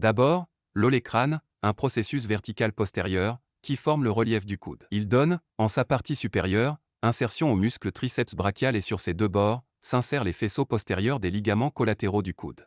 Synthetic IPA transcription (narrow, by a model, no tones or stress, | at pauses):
d̪abɔːʁ | lɔlekχan | ɛ̃pχɔsesys̬vɛʁt̪ikalpɔst̪eʁjœʁ | kʲifɔʁmləʁəljɛfd̪ykṵd̪ild̪ɔn | ɑ̃sapaʁt̪isypɛʁjœʁ | ɛ̃sɛʁsjɔ̃omysklət̪χisɛpsbʁakʲjalesyʁsed̪øbɔʁ | sɛ̃sɛʁlefesopɔst̪eʁjœʁd̪eliɡamɑ̃kɔlat̪eʁod̪ykʰṵd̪